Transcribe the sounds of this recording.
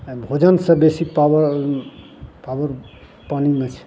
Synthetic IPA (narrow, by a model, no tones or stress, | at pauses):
bʱod͡ʒənsʌ̃besipaw | pawəɾ | panimet͡ʃʰ